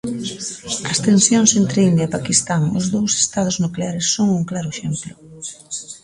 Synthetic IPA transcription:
ɐst̪ensjoŋsent̪ɾeind̪jɐipakist̪aŋʊ̰zðowse̥st̪að̞ʊznukleaɾesːoŋuŋklaɾʊeʃemplʊ

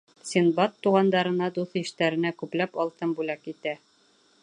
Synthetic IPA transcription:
sʲinbɑt̪ːuʁɑnd̪ɑɾɤ̆nɑd̪uθiʃt̪æɾɘ̆nækʉplæpɒlˠt̪ɤmbʉlækit̪æ

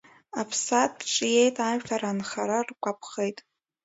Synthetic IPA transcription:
apʰsatʼʈ͡ʂʼje̞jtʼaʒᶣtʰaɾanχaɾarkʷapʰχejtʼ

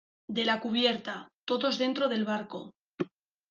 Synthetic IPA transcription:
d̪e̞lakuβ̞je̞ɾt̪at̪o̞ðo̞zðe̞nt̪ɾo̞ðe̞lβaɾko̞

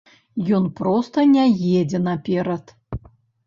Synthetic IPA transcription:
jɔnpɾɔst̪ɐnʲajed͡zʲɛnapʲɛɾɐt̪

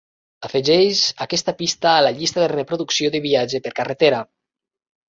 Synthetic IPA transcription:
afeʒɛʃakɛst̪apist̪aːlaʎist̪aðerepɾuðuksioðəβiad͡ʒepəɾkaret̪eɾa

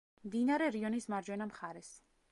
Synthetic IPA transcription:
md̪inaɾɛɾiɔnismaɾd͡ʒwɛnamχaɾɛs

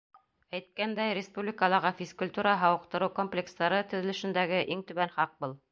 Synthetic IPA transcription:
æjt̪̚kænd̪æjɾʲɪspublʲɪkəlˠɑɾʁɑfʲiskʊlʲt̪uɾɑɦɑwɤ̆qt̪ɤ̆ɾɤwkomplʲekst̪ɑɾɤt̪ɵ̆ðɘ̆lɘ̆ʃɘ̆nd̪æɡɘʔiŋt̪ɵ̆βænχɑq̚bɤlˠ

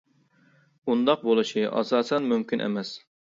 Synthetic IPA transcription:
und̪ɑq̚bolˠɨʃiʔɑ̰sɑːsɛnmymkʲinʔḛmɛs

